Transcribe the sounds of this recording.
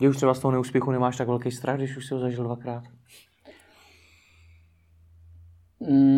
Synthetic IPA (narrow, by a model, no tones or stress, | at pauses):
ɡdɛuʃt̪r̥ɛbast̪oɦonɛuːspjɛxunɛmaːʃt̪aɡvɛlkɛjst̪ɾʔaɣɡdɪʃuʃsɪɦozaʒɪldvakɾaːt̪